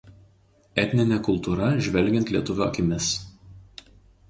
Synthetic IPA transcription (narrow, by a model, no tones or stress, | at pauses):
ɛt̪ʲnʲɪnʲɛkʊlˠt̪uːɾɐʒʲʋʲɛlʲɡʲɛnt̪ʲlʲiɛt̪ʊʋʲukʲɪmʲɪs